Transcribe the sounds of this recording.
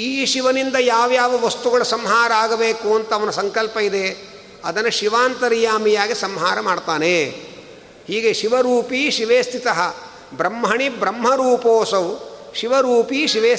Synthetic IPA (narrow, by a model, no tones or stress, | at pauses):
iːʃiʋɐnind̪ɐjaːʋjaːʋɐʋɐst̪uɡɐɭɐsɐmɦaːɾɐaːɡɐbeːkuɐnt̪ɐːʋɐnusɐŋkɐlpɐid̪e | ɐd̪ɐnːɐʃiʋaːnt̪ɐɾijaːmijaːɡisɐmɦaːɾɐmaːɖt̪aːne | hiːɡeʃiʋɐɾuːpiʃiʋeːst̪ʰit̪ɐɦɐ | bɾɐmɦɐɳibɾɐmɦɐɾuːpoːsɐʋʃiʋɐɾuːpiːʃiʋeː